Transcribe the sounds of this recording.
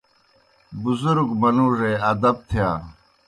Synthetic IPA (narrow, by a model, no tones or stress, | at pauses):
buzuɾɡmɐnuːʐeːɐd̪ɐb̚t̪ʰijaː